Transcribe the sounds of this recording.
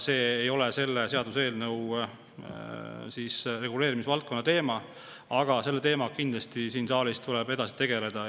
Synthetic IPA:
se̞ːjo̞lese̞lːeseɑd̪use̞ːlnɤw | siːsre̞ɡule̞ːɾimisvɑlt̪̚ko̞nːɑt̪e̞ːmɑ | ɑɡ̥ɑse̞lːe̞t̪e̞ːmɑkind̪̥lɑst̪isiːnsɑːlist̪ulɛb̥e̞d̪ɑsi̥t̪e̞ɡ̥e̞le̞d̪̥ɑ

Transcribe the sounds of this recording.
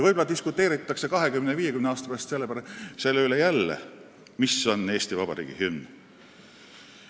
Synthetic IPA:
vɤjb̥olɑt̪iskut̪ːˑeːɾit̪ːˑɑkse̞kɑɦe̞kymneviːjekymneɑːst̪ɑ̥peˑɑst̪se̞lːe̞pæɾɑse̞lːeylejælːḛ | miso̞nːe̞ːst̪ivɑb̥ɑ̰ɾḭːɡ̥ḭhym

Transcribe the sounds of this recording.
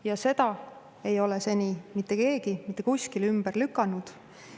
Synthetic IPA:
jɑse̞d̪̥ɑ | e̞jo̞lese̞nʲimit̪ˑːe̞ke̞ːɡimit̪ːe̞kusʲkilymb̥ərlykːˑɑnud̪̥

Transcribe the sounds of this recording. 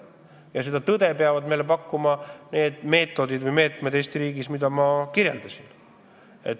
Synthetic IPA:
jɑs̬e̞d̪̥ɑt̪ɤd̪̥e̞peɑvɑd̪me̞jlepɑkːumɑne̞ːd̪̥me̞ːt̪ːˑo̞d̪id̪vɤjme̞ːt̪ˑmeest̪iɾiːɡismid̪̥ɑmɑkiɾjeld̪ɑsʲin | e̞̰t̪ː

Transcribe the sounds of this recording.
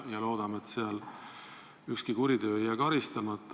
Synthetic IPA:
jɑlo̞ːd̪̥ɑmet̪seɑl | ykskikuɾid̪ø̞ːjækɑɾist̪ɑmɑt̪ːˑ

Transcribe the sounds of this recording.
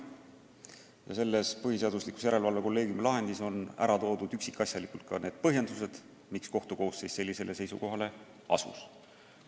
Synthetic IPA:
jɑse̞lːe̞spɤɦise̞ɑd̪uslikˑu̥sjæɾe̞lvɑlveko̞lːe̞ːɡ̥jumlɑɦe̞nd̪iso̞næ̰ɾɑt̪o̞ːd̪̥ud̪̥yksikːˑɑsjɑlikult̪kɑne̞ːd̪̥̚pɤɦjend̪̥us̬e̞d̪̥ | miksko̞ht̪uko̞ːsːe̞jsse̞lʲːise̞le̞se̞jsṵko̞ɦɑle̞ | ɑ̰sṵs

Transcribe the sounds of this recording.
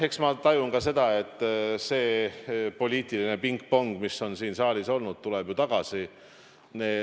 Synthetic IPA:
e̞ksmɑt̪ɑjunɡɑse̞d̪̥ɑe̞t̪ˑːse̞ːpo̞lʲiːt̪ˑiline̞piŋkpoŋɡ̥misːo̞nsiːnsɑːlʲiso̞lnud̪̥̚t̪uleb̥jut̪ɑɡ̥ɑsi | neː

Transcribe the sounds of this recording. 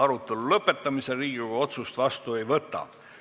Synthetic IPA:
ɑɾut̪ːˑelulɤpːˑe̞t̪ˑːɑmise̞riːɡ̥ioɡɑo̞t̪sust̪vɑst̪ue̞jvɤt̪ːˑɑ̰

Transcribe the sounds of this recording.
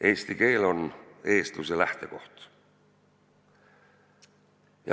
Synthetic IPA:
ʔe̞ːst̪ike̞ːlo̞ne̞ːst̪uselæht̪e̞ko̞ht̪ | jɑ̰

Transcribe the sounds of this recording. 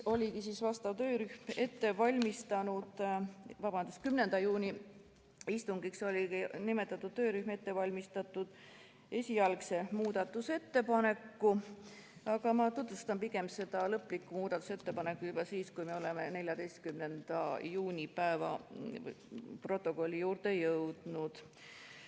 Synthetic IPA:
o̞lʲikisiːsvɑst̪ɑvt̪ø̞ːɾyhme̞t̪ːe̞vɑlʲmist̪ɑnud̪̥vɑbɑnd̪̥uskymne̞nd̪̥ɑjuːnʲi | ist̪uŋɡ̥ikso̞lʲinime̞t̪ːˑɑt̪ːˑud̪̥t̪ø̞ːɾyhme̞t̪ːe̞vɑlʲmist̪ɑt̪ːˑud̪̥ | e̞sʲiɑlkse̞muːd̪ɑt̪ːˑuse̞t̪ːe̞pɑne̞kːu | ɑɡ̥ɑmɑt̪ut̪vust̪ɑmpiɡ̥e̞mse̞d̪̥ɑlɤpːˑlikːˑumuːd̪̥ɑt̪ːˑu̥se̞t̪ːe̞pɑne̞kːˑujub̥ɑsiːskujme̞o̞le̞me̞ne̞lʲjɑd̪e̞jst̪̚kymne̞nd̪̥ɑjuːnʲipæevɑ̰ | pro̞t̪ːˑo̞ko̞lʲːijuːrt̪e̞jɤwd̪̥nud̪̥

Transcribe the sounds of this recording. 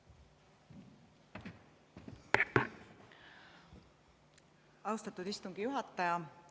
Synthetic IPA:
ɑwst̪ɑt̪ːud̪̥ist̪uŋɡ̥ijuɦɑt̪ˑːɑjɑ

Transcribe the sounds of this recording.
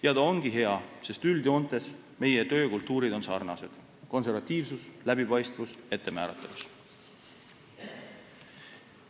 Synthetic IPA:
jɑd̪ɑoŋɡ̥iɦe̞ɑse̞st̪yld̪io̞nt̪ːˑe̞s | me̞je̞t̪ø̞ːkult̪ːˑuːɾid̪o̞nsɑrnɑse̞d̪̥ | ko̞nse̞ɾvɑt̪ːˑiːvsuslæb̥ipɑjst̪vuse̞t̪ːe̞mæːɾɑt̪ːˑɑves

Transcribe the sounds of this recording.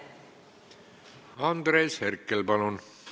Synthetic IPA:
ɑnd̪ɾeːsherkːelpɑlun

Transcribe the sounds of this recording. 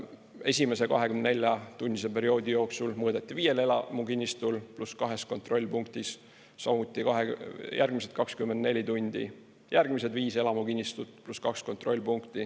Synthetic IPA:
e̞sʲime̞se̞kɑ̰ɦe̞kymnne̞lʲjɑt̪unʲːisepe̞ɾio̞ːd̪ijo̞ːksulmɤːd̪et̪ʲːˑiviːje̞le̞lɑ̰mukinʲːist̪ulpluskɑɦe̞sko̞nt̪ro̞lʲːpuŋkt̪isː | ɑmut̪ʲːˑikɑɦejærɡ̥miset̪̚kɑkskymːend̪ne̞lʲit̪unʲd̪̥ḭ | jærɡ̥mise̞d̪viːse̞lɑmukinʲːist̪ut̪ːˑpluskɑksko̞nt̪ro̞lʲːpuŋkt̪i

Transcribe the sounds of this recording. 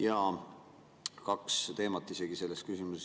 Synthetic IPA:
jɑ | kɑkst̪e̞ːmɑt̪ːˑiseɡ̥ise̞lːest̪kysimuse

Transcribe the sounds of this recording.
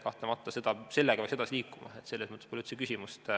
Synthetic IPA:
kɑht̪lemɑt̪ːˑɑsed̪̥ɑse̞lːeɡɑ̥eɑksed̪ɑsiliːkːˑumɑ̰et̪se̞lːesmət̪ːˑepolʲːyht̪sekysʲimustt̪

